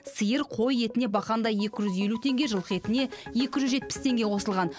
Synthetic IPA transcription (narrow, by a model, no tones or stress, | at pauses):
səjəɾqʰo̞je̞t̪ɪnebɑqɑnd̪ɑje̞kʲɪʒʏzje̞lut̪ʰe̞ŋɡʲe̞ʒəlˠd̪ə̥qet̪ɪne̞je̞kʲɪʒʏzʒe̞t̪̚pɪ̥st̪ʰe̞ŋɡʲe̞qʰo̞səlˠʁɑn